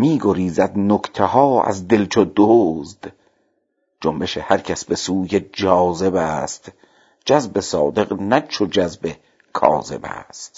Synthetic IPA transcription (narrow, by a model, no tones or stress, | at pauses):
miːɡoɾiːzæd̪nokt̪ʰehɒːæ̰zd̪e̞lt͡ʃʰod̪oːzd̪̥ | d͡ʒombe̞ʃehæɾcʰæsbe̞suːjed͡ʒɒːze̞bæːst̪ | d͡ʒæzbe̞sɒːd̪e̞qnæt͡ʃʰod͡ʒæzbe | kʰɒ̰ːze̞̰bæ̰ːst̪̚